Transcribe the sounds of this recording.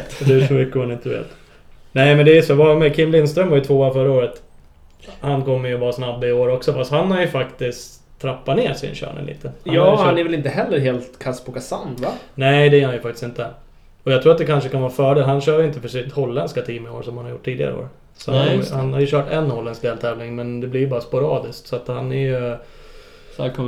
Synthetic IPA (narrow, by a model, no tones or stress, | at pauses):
d̪ɛæʂɔmʏkːəmanɪnt̪əvḛːt̪ | nɛɪmɛnd̪ɛjsovamɛkʰɪmːlɪnst̪ɾœmːvaɾjɵt̪ʰvoːaɾfœɾːaoːɾət̪ | hankɔmːjɵvɑːsnabːɪoːɾɔksɔfast̪hanhaɾjɵfakt̪ɪskt | t̪ʰːɾapːat̪neːʂɪ̰nɕœ̰ːɳɛ̰nlḭːt̪ʰəhanɑaanɛɾvɛlɪnt̪əɦɛlːəɾɦeːlt̪kʰaspɔkʰasanvanɛɪd̪ɛjœːhanjəfak̚t̪ɪ̥sɪnt̪ə | ɔjɑɡt̪ɾuːɾat̪̚d̪ɛkʰanʂ̬əkanvɑːfœːɖeːlɦanɕœːɾjʏɪnt̪əfœʂit̪hɔlːɛnskat̪ʰiːmɛo̰ːɾʂɔmhanhaɾjṵʈʰːiːd̪ɪɡa̰ɾəo̰ːɾ | sɔhaajhanhaɾjɵɕœːʈɛnːhɔlːɛnskd̪ɛːlt̪ʰɛːvlɪŋmɛnd̪ɛblɪɾjbɑːɾaspʊɾɑːd̪ɪsksɔat̪hanæɾjɵ